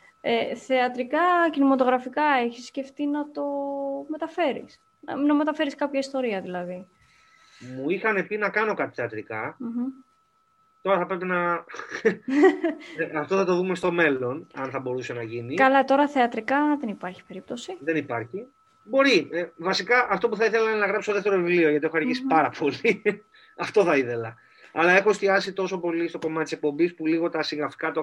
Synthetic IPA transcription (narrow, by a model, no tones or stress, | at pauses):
eθe̞ɐt̪ɾikɐcinimɐt̪̬o̞ɣɾɐfikɐe̞çisːce̞ft̪inɐt̪o̞me̞t̪ɐfe̞ɾḭs | nɐ̰nɐme̞t̪ɐfe̞ɾiskɐpçɐist̪o̞ɾiɐðilɐði | muixɐne̞pinɐkɐno̞kɐt̪i̥θeɐt̪ɾikɐm̩ | t̪o̞ɾɐθɐpɾepinɐ | ɐft̪o̞θɐt̪o̞ðume̞st̪o̞me̞lo̞nɐnθɐbo̞ɾuse̞nɐʝinikɐlɐt̪o̞ɾɐθeɐt̪ɾikɐðenipɐɾçi̥pe̞ɾip̚t̪osiðe̞nipɐɾçi | bo̞ɾievɐsikɐʔɐft̪o̞puθɐiθe̞lɐinenɐɣɾɐpsst̪oðeft̪eɾovivlio̞ʝɐt̪iexoɐɾʝisi̥pɐɾɐpʰo̞li | ɐft̪o̞θɐiθe̞lɐ | ɐlɐe̞xoest̪iɐsit̪o̞so̞po̞list̪o̞ko̞mɐt̪t̪ise̞k̚po̞mbispuliɣo̞t̪ɐsiŋɣɾɐfi̥kɐt̪o